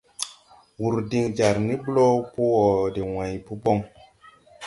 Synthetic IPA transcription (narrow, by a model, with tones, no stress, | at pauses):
wu˨ɾdi˦ŋd͡ʒa˨ɾni˦blo˦po˦ɔ˨de˨wã˨jpu˦bo˦˨ŋ